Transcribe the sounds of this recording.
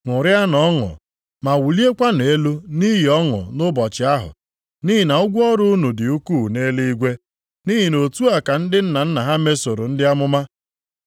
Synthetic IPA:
ŋʊ˨ɾja˦nɔ˦ŋʊ̰˨ | ma˨wu˨li˦e˦kʷa˦ne˨e˦lu˦ni˦ɦi˨ɔ˦ŋʊ̰˨nʊ˦bɔ˨t͡ʃɪ˨˦a˦ɦʊ̰˨ | ni˦ɦi˨na˨ʊ˦ɡʷʊ˦ɔ˦ɾʊ˦nu˨dɪ˨u˦ku˦˨ne˦li˦i˦ɡʷe˦ | ni˦ɦi˨no˨tu˦a˨ka˨n̩˦dɪ˦n̩˦na˨n̩˦na˨ɦa˦me˦so˨ɾo̰˨n̩˦dɪ˦a˦mʊ˦ma˦

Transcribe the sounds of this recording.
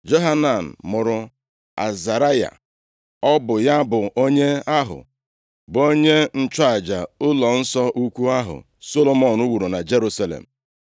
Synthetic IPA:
d͡ʒo˦ɦa˦na˨n̩˨mʊ˨ɾʊ˨ | a̰˨za˨ɾa˦ja̰˨ | ɔ˦bʊ˨ja˦bʊ˨ʔo˦ɲe˦a˦ɦʊ̰˨ | bo˦ɲe˦n̩˦t͡ʃa˨d͡ʒa˨ʊ˦lɔ˨n̩˦sɔ˦ʔu˦kʷu˦a˦ɦʊ̰˨ | so˦lo˦˨mo˦˨n̩u˦wu˨ɾu˨na˨d͡ʒe˦ɾu˦sa˦lḛ˨m̩˨

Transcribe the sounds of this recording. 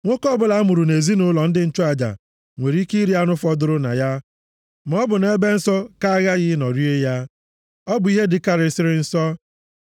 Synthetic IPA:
ŋʷo˦kɔ˦bʊ˦la˨˦mʊ˨ɾu˨ne˨zi˦nʊ˦lɔ˨n̩˦dɪ˦n̩˦t͡ʃʊ˦a˨d͡ʒa̰˨ | ŋʷe˨ɾi˦ki˦ɾi˦a˦nʊ˦fɔ˦dʊ˦ɾʊ˦na̰˨ja˦ | m˨˦ɔ˦bʊ˨ne˦be˦n̩˦sɔ˦ka˦a˦ɣa˦ɣɪ˦nɔ˨ɾi˦e˦ja˦ | ɔ˦bʊ˨˦i˦ɦe˦dɪ˨ka˦ɾɪ˨sɪ˦ɾɪ˦n̩˦sɔ˦

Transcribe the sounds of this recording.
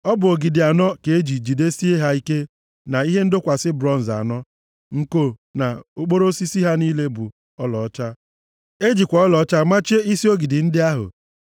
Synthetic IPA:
ɔ˦bʊ˨o˨ɡi˨dɪ˨a˨nɔ˦ke˨e˦d͡ʒi˨d͡ʒi˨de˦si˦e˦ɦa˦i˦ke˦ | na˨i˦ɦe˦n̩˦dʊ˦kʷa˨sɪ˦bɾɔ˦n̩˨za̰˨nɔ˦ | ŋ̩˨ko˨na˨o˨k͡po˦ɾo˦si˦si˦ɦa˦ni˦le˦bʊ̰˨ | ɔ˦lɔ̰˨ɔ˦t͡ʃa˦ | e˦d͡ʒi˨kʷa˨˦ɔ˦lɔ˨ɔ˦t͡ʃa˦ma˦t͡ʃe˦i˦si˦o˦ɡi˨dɪ˨n̩˦dɪ˦a˦ɦʊ̰˨

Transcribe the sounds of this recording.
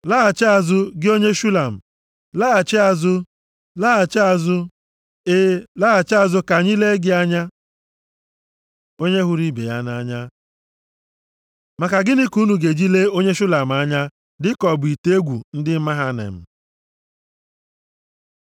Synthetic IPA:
la˦a˨t͡ʃɪ˦a˨zʊ˦ɡɪ˦o˦ɲe˦ʃu˦la˨m̩˨ | laː˦a˨t͡ʃa˨zʊ˦ | la˦a˨t͡ʃa˦˨zʊ˦ | e˦la˦a˨t͡ʃɪ˦a˦˨zʊ˦ka˨ɲi˦le˦ɡɪ˦a˦ɲa˦ | o˦ɲe˦ɦʊ˦ɾi˦bḛ˨ja˦na˦ɲa˦ | ma˨ka˨ɡɪ˦nɪ˦ku˦nu˨ɡe˨d͡ʒi˦le˦o˦ɲe˦ʃu˦la˨m̩˨a˦ɲa˦ | dɪ˦kɔ˨bʊ˨i˨te˦e˦ɡʷu˨n̩˦dɪ˦ma˦ɦa˦nḛ˨m̩˨

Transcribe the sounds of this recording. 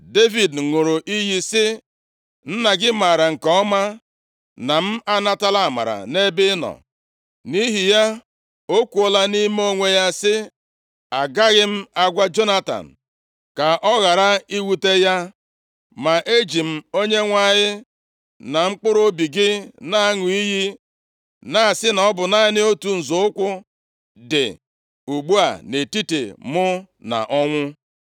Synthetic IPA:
de˦vi˨dŋʊ˨ɾʊ˨ʔi˦ɦi˦sɪ˦ | n̩˦na˨ɡɪ˦ma˨ɾa˨ŋ̩˨kɔ˦ɔ˦ma˦ | na˨m̩˦a˦na˦ta˦la˦˨ma̰˨ɾa̰˨ne˦bɪ˦nɔ̰˨ | ni˦ɦi˨ja˦ | o˦kʷu˨o˨la˦ni˦m˦o˦ŋʷe˦ja˦sɪ˦ | a˨ɡa˦ɣɪ˦m̩˦a˦ɡʷa˦d͡ʒo˦na˦ta̰˨n̩˨ | ka˨ʔɔ˦ɣa˨ɾa˦i˦wu˨te˦ja˦ | ma˨ʔe˦d͡ʒi˨m̩˦o˦ɲe˦ŋʷa˦˨ɲɪ˦ | na˨ŋ͡m̩˦k͡pʊ˦ɾo˦bi˨ɡɪ˦na˦a˦ŋʊ˨i˦ɣi˦ | na˦˨a˨sɪ˦nɔ˦bʊ˨na˦ɪ˦nɪ˦o˦tu˨n̩˨zʊ˨ʊ˦kʷʊ˦ | dɪ̰˨ | u˨ɡ͡bu˦a̰˨ne˨ti˦tḛ˨mʊ˦ | na̰˨ʔɔ˦ŋʷʊ˦

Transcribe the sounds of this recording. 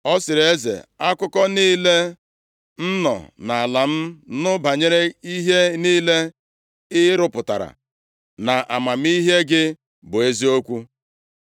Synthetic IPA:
ɔ˦sɪ˨ɾe˦zḛ˨a˦kʊ˦kɔ˦niː˦le˦ | n̩˦nɔ̰˨na˨a˨la˨m̩˦nʊ˦ba˨ɲe˦ɾe˦i˦ɦe˦niː˦le˦ | ɪ˦ɾʊ˦pʊ˨ta̰˨ɾa̰˨ | na˨ʔa̰˨ma˨m̩˦i˦ɦe˦ɡɪ˦ | bʊ˨e˦zi˦o˦kʷu˦

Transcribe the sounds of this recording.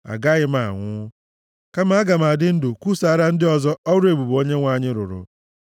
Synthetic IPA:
a̰˨ɡa˦ɣɪ˦ma˨ŋʷʊ˦ | ka˦ma˦a˦ɡa˨ma˨dɪ˦n̩˦dʊ˨ku˦sa˨˦ɾa˦n̩˦dɪ˦ɔ˨zɔ˦ɔ˦ɾe˨bu˨bo˦ɲe˦ŋʷa˨ɲɪ˦ɾʊ̰˨ɾʊ̰˨

